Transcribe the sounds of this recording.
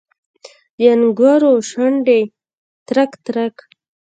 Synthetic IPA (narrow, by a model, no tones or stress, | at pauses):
d̪əanɡwɑɾoʃaɳɖe | t̪ɾakt̪ɾak